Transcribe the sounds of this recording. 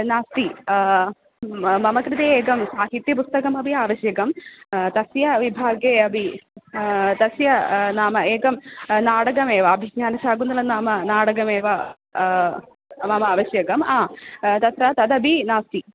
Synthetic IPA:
naːst̪i | mɐmɐkɾɨt̪eeːɡɐmsaːɦit̪ːjɐpust̪ɐkɐmɐbʱiaːʋɐɕjɐɡɐmt̪ɐsjɐʋibʱaːɡeɐbʱi | t̪ɐsjɐnaːmɐeːɡɐmnaːɽɐɡɐmeːʋɐɐbʱiɡɲaːnɐsaːɡunːuɭenːaːmɐnaːɽɐɡɐmeːʋɐ | mɐmɐaːʋɐɕjɐɡɐmaːt̪ɐt̪ɾɐt̪ɐd̪ɐbʱinaːst̪i

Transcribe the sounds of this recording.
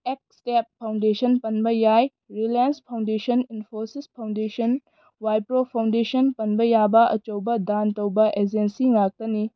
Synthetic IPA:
ek̚step̚pʰːawndesʰɐnpɐnbɐjaj | ɾilanspʰawndesɐninpʰoɾsispʰawndesɐn | wajpɾopʰawndesɐnpɐnbɐjabɐʔɐ̰t͡ʃɐwbɐdantɐwbɐʔed͡ʒensiŋak̚tɐni

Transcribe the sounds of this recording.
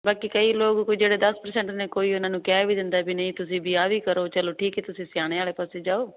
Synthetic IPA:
baːkiːkəiːloːɡkoid͡ʒeːɽeːd̪əspəɾsɛ̃ɳʈneːkoːiːʊnãːnũːkɛːbʱiːd̪ɪ̃nd̪aːɛːbinəĩːt̪ʊsĩːbʱiːaːʋiːkəɾoːt͡ʃəloːʈʰiːkeːt̪ʊsĩːsɪjaːɽ̃eːaːleːpaːseːd͡ʒaːoː

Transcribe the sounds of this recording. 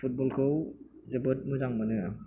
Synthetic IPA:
pʰut̚bɔlkʰɯwzɐbɯt̚muzaŋmɐnɯ

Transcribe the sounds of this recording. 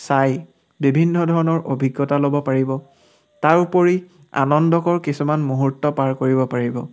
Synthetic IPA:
saj | bibʱinːɔdʱɔɹɔnɔɹʔobʱiɡːɔtalobɔpaɹibɔ | taɹupoɹi | a̰nɔndɔkɔɹkisumanmuɦutːɔpaɹkoɹibɔpaɹibɔ

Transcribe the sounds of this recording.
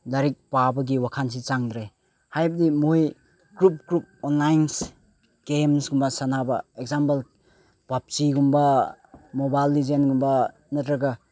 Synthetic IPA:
lɐɾik̚pabɐɡiwakʰans̬it͡ʃaŋd̪ɾaj | hajbɐdimoj | ɡ̥ɾup̚ɡɾup̚ɔnlajns | ɡ̥emsɡumbɐsanabɐek̚zampel | pap̚t͡ʃiɡumbɐ | mobajlːizenɡumbɐ | nɐtɾaɡɐ

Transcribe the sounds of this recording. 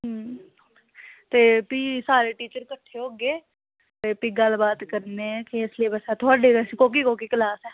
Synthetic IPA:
ɦ | t̪eːpiːsaːɾeːʈiːt͡ʃəɾkəʈʰːeɦoːɡeː | t̪eːpiːɡəlbaːt̪kəɾneːkiɪslieːbəsɛːt̪ʰoaːɖeːkoːkikoːkiːkəlaːsɛː

